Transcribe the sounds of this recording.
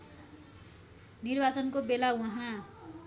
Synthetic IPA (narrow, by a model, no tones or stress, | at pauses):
nirbat͡sʌnkobelawʌɦã